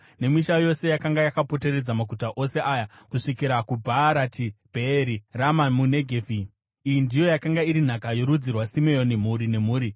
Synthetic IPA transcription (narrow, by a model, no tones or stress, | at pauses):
ne̞miʃajo̞se̞jakaŋɡajakapo̞te̞ɾe̞d͡zamaɡʱutaʔo̞se̞ʔaːjakuʂikiɾakubʱaɾatibʱeːɾiramamune̞ɡʱevi | ijindijo̞jakaŋɡaiɾin̤akajo̞ɾud͡zirwasimejone̞m̤uɾine̞muːɾi